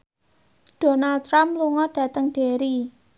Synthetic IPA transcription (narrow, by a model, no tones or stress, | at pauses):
ɖ̥o̤nal̚t̪ɾamluŋɔɖ̥ä̤t̪əŋɖ̥e̤ɾi